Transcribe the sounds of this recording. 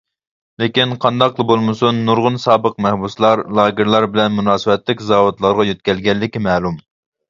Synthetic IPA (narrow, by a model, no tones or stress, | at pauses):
lekʲinqʰɑnd̪ɑqlˠɨbolˠmɨsunːuɾʁʊnsɑːbəq̚mɛhbuslˠɑɾlˠɑːɡʲɪɾlˠɑɾbɪlɛnmunɑːsɨbɛt̪lɪkʲzɑːwot̪lˠɑɾʁɑjøt̪kʲɛlɡʲɛlːɪkʲimɛːlˠum